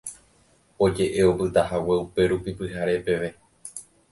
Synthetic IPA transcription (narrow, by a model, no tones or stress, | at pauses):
o̞d͡ʒe̞ʔe̞o̞pɨt̪ahawe̞upe̞ɾupipɨɦaɾe̞pe̞ʋe̞